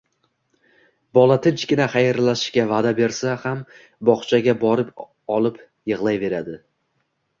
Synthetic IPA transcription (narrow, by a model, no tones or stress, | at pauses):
bɒlˠat̪ʰɪnt͡ʃkʲɪnaχajɾlaʃɪ̥ʃkʲavad̪abe̞ɾsaham | bɒχt͡ʃʰaɡʲabɒɾɪp | ɒlˠɪp | jɨʁlˠajve̞ɾad̪ɪ